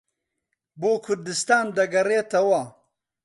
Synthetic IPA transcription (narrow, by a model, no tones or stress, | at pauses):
boːkʰʊɾd̪ɪst̪aːnd̪ɐɡɐɾeːt̪ɐwa